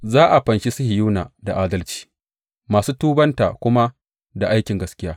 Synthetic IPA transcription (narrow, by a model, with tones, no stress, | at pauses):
zaː˦ʔa˨ɸɐ˨nʃi˦sʊ˦hɪ˨juː˦na̰ː˨da˨ʔaː˦dɐ˦lt͡ʃi̥ː˦ | maː˨suː˦tuː˦bɐ˦nta̰ː˨kʷʊ˦ma˦ | da˨ʔa˦jkʲɪ˨ŋɡɐ˨skʲɪ˦jaː˦